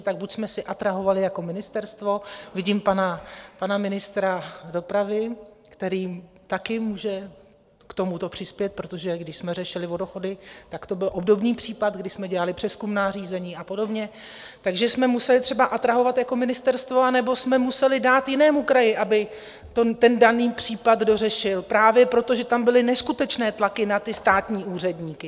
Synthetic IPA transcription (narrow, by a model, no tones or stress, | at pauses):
t̪aɡ̚bucsmɛsɪʔat̪ɾaɦo̞valɪjako̞mɪnɪst̪ɛɾst̪vo̞vɪɟiːmpanapanamɪnɪst̪ɾado̞pɾavɪ | kt̪ɛɾiː | t̪akɪmuːʒɛ | kt̪omut̪o̞pr̝̥ɪspjɛt̪̚pɾo̞t̪o̞ʒɛɡdɪʃsmɛrɛʃɪlɪvo̞doxo̞dɪt̪akt̪o̞bɪlʔo̞bdo̞bniːpr̝̥iːpat̪ɡdɪʃsmɛɟɛlalɪpr̥ɛskumnaːriːzɛɲiːapo̞do̞bɲɛt̪aɡʒɛsmɛmusɛlɪt̪r̥ɛbaʔat̪ɾaɦo̞vat̪jako̞mɪnɪst̪ɛɾst̪vo̞anɛbo̞smɛmusɛlɪdaːt̪jɪnɛːmukɾajɪʔabɪ | t̪ot̪ɛndaniːpr̝̥iːpad̪do̞r̝ɛʃɪlpɾaːvjɛpɾo̞t̪o̞ʒɛt̪ambɪlɪnɛskut̪ɛt͡ʃnɛːt̪lakɪnat̪ɪst̪aːt̪ɲiːʔuːr̝ɛdɲiːkɪ